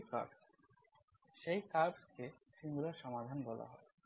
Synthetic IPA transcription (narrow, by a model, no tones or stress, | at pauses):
ka̰ɾbs | ʃejkaɾbskeʃiŋɡuɾaɾʃɔmad̪ʱanbɔla̰ɦɔ̰e